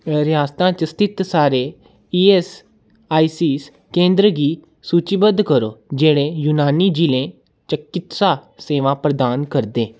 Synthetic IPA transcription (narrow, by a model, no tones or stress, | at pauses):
ɾɪjaːst̪ãːt͡ʃəst̪ʰɪt̪saːɾeː | iːeːs | aːiːsiːs | kẽːnd̪ɾəɡiː | suːt͡ʃibəd̪kəɾoːd͡ʒeːɽẽːjuːnaːniːd͡ʒilẽː | t͡ʃəkːɪt̪saːseːʋãːpɾəd̪aːnkəɾd̪eː